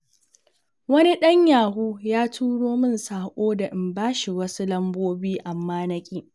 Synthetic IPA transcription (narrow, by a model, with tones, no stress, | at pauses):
wɐ˦ni˦ɗɐ˦ɲjaː˨ɦuː˦jaː˦tʰuː˦ɽoː˦mɪ˦nsaː˨kʷʼoː˦da˨ʔɪ˨mbaː˦ʃi˨wɐ˦su˦lɐ˦mboː˦biː˦ʔa˨mːaː˦nɐ˦kʲʼiː˦